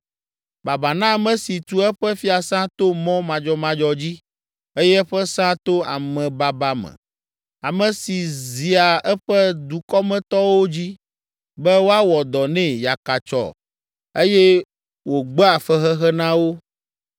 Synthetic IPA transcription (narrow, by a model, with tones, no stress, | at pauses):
ba˨ba˨nã˦˨mɛ̃˨si˨t̪u˦ɛ˦ɸɛ˦fi˦a˨sã˦t̪o˦mɔ̃˦mã˨d͡ʒɔ˦mã˦d͡ʒɔ˦d͡ʑi˦ | e˦jɛ˦ɸɛ˦sã˦t̪o˦a̰˨mɛ̃˨ba˨ba˨mɛ̰˨ | a˨mɛ̃˨si˨zi˨a˨ɛ˦ɸɛ˦d̪u˨kɔ˦mɛ̃˨t̪ɔ˦wo˦d͡ʑi˦ | bɛ˦wo˦a˦wɔ˨d̪ɔ˨nɛ̃˦ja˨ka˨t͡ʃɔ̰˨ | e˦jɛ˦ | wo˨ɡ͡bɛ˦a˨fɛ˦ɦɛ˦ɦɛ˦nã˦wo˦